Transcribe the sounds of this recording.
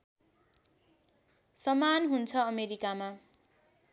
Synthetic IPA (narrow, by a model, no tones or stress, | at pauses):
sʌmanɦunt͡sʰʌʌmeɾikama